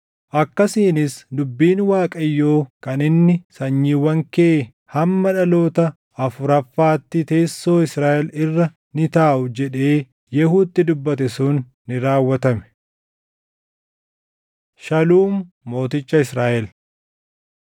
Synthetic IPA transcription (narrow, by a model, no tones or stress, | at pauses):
ʔɐkːɐsiːnɪsd̪ʊbːiːnwaːkʼɐjːoːkɐnɪnːɪsɐɲːiːwːɐŋkeː | hɐmːɐᶑɐlo̞ːt̪ɐ | ʔɐfʊɾɐfːaːt̪ːɪt̪e̞ːsːo̞ːɪsɾaːʔɛlɪrːɐ | nɪt̪aːʔʊd͡ʒɛᶑe̞ː | jɛhuːt̪ːɪd̪ʊbːɐt̪ɛsʊnː | ɪɾaːwːɐt̪ɐmɛ̥ | ʃɐluːmː | o̞ːt̪ɪt͡ʃːɐɪsɾaːʔɛl